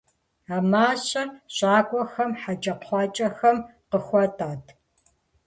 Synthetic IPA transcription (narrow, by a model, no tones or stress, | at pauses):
aːmaːɕʼɐɕʼaːkʷʼɔxɐmħad͡ʒʼɐqʰʷɑːt͡ʃʼɐxɐmqəxʷɔtʰʼaːtʰ